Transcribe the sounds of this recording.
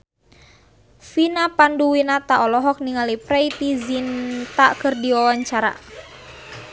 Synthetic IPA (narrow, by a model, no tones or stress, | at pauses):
finapanduwinat̪aʔɔlɔɦɔk̚niŋalipɾɛjt̪izint̪akɨrdiɔwaɲt͡ʃaɾa̰